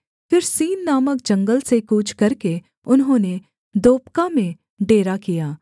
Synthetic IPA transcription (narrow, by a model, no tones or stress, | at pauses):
fɪɾsiːnːaːmək̚d͡ʒɐ̃ŋɡəlsekuːt͡ʃʰkɐɾke | ʊnɦõːne | d̪oːpkamẽ | ɖeːɾakijaː